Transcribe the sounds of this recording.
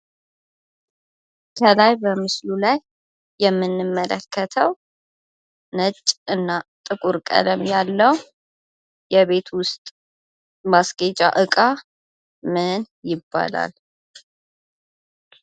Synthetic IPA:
kʰəlajbəmɨslulajː | ɛmːɨnːɨmːələkʰːət̪ʰəw | nət͡ʃʼːɨnːat̪ʼɨkʼuɾkʼə̰ləmjalːəw | jɛβe̞t̪ʰwʊst̪ʼ | masɡet͡ʃʼa̰ʔɨkʼa | mɨn | jɪbːa̰la̰l

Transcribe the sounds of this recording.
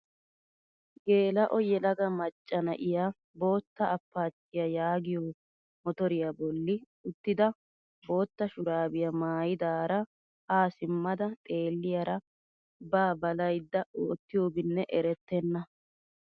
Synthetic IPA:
ɡe̞ːlɐʔɔjɛlɐɡɐmɐt͡ʃʼːɐnɐ̰ʔɪja | bo̞ːt̪ːɐːpːaːt͡ʃʼːɪjɐjaːɡɪjoː | mɔt̪ɔɾɪjabɔlːɪ | ʊt̪ːɪd̪ɐ | bo̞ːt̪ːɐʃʊɾaːbɪjɐmaːjɪd̪aːɾɐ | aːsɪmːɐd̪ɐt̪ʼe̞ːlːɪjɐɾɐ | baːbɐlɐjd̪ːɐʔoːt̪ːɪjoːbɪnːɛʔɛɾɛt̪ːɛnːɐ

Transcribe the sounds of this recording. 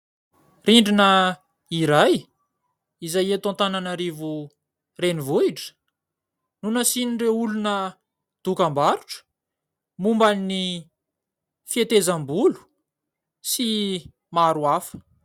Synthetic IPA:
riɳɖ͡ʐinə | iɾaj | izajet̪ãnt̪ananaɾivu | renivuiʈ͡ʂə̥ | nunasiniɖ͡ʐeulunə | d̪̥ukambaɾuʈ͡ʂə̥ | mumbanni | fiet̪ezambulu̥ | si | maɾuafə̥

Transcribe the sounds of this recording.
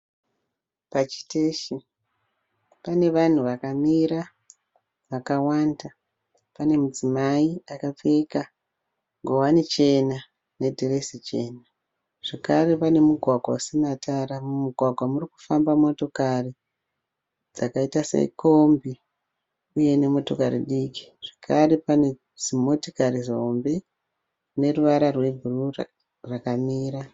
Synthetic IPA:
pat͡ʃi̥teʃi | pane̞ʋan̤uʋakamiɾa | ʋakawaːnda | pane̞mud͡zimaiakap͡feka | ŋɡowanit͡ʃe̞na | ne̞dʱiresit͡ʃe̞ːna | ʐ̥ekaɾe̞pane̞muɡʱwaɡʱwausinatʰaɾamumuɡʱwaɡʱwamuriku̥fambamo̞to̞kari | d͡zakaitasḛko̞mbi | uje̞ne̞mo̞to̞kaɾḭɗiːki̥ʐ̥ekʰarepane̞ | zimo̞tikarizombe̞ | ne̞ruʋaɾarwe̞bʱuru | rakamiːɾa

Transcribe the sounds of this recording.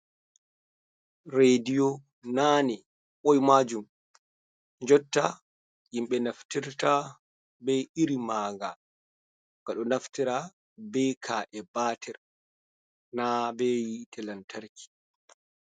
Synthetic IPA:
ɾedijɔ | naːnɛ | ɓɔjmaːd͡ʒum | d͡ʒɔtːa | jimɓɛnaftiɾta | bɛjiɾimaːŋɡa̰ | ɡ̥aɗɔnaftiɾa | bɛjkʰaːʔɛbaːtʰɛɾ | nabɛjitʰɛlantʰaɾkʰi̥

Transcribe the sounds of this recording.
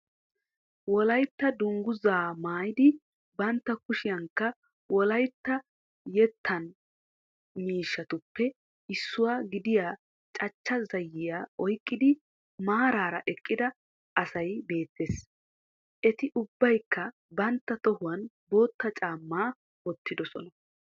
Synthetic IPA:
wɔlɐjt̪ːɐd̪ʊŋɡʊzaːmaːjɪd̪ɪ | bɐnt̪ːɐkʊʃɪjɐŋkːɐ | wɔlɐjt̪ːɐ | jɛt̪ːɐn | miːʃːɐt̪ʊpːɛ | ɪsːʊwaːɡɪd̪ɪjaː | t͡ʃʼɐt͡ʃːɐzɐjːɪjaːɔjkʼːɪd̪ɪ | maːɾaːɾɐ̰ʔɛkʼːɪd̪ɐ | ʔɐsɐjbe̞ːt̪ːeːs | ʔɛt̪ɪʔʊbːɐjkːɐ | bɐnt̪ːɐt̪ɔhʊwɐn | bo̞ːt̪ːɐt͡ʃʼaːmːaː | wɔt̪ːɪd̪ɔsɔ̰nɐ

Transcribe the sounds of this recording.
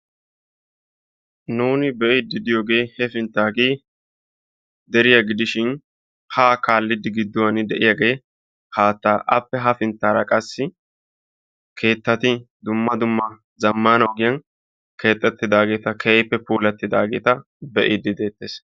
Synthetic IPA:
nuːnɪbɛʔɪd̪ɪd̪ɪjo̞ːɡe̞ːhɛfɪnt̪ːaːɡe̞ː | d̪ɛɾɪjɐɡɪd̪ɪʃɪn | haːkaːlːɪd̪ːɪɡɪd̪ːʊwɐnɪd̪ɛʔɪjaɡeː | haːt̪ːaːʔɐpːɛɦɐfɪnt̪ːaːɾɐkʼɐsːɪ | kʰe̞ːt̪ːɐt̪ɪ | d̪ʊmːɐd̪ʊmːɐ | zɐmːaːnɐwɡɪjɐn | kʰe̞ːt̪ʼːɛt̪ːɪd̪aːɡe̞ːt̪ɐkʰɛjpːɛpuːlɐt̪ːɪd̪a̰ːɡe̞ːt̪ɐ | bɛʔɪd̪ɪd̪e̞ːt̪ːeːs

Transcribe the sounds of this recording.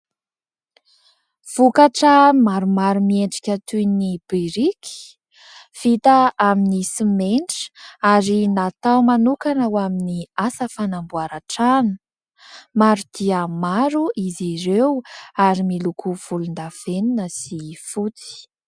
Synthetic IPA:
v̥ukaʈ͡ʂəmaɾumaɾumieɳɖ͡ʐi̥kʲat̪ujnib̥iɾikʲi̥ | fit̪aaminisimeɳʈ͡ʂaɾinat̪awmanukanawaminiasəfanambuaɾaʈ͡ʂanə̥ | maɾud̪̥iəmaɾuʔiziɾewaɾimilukuv̥ulund̪av̥eninəsifut͡si̥

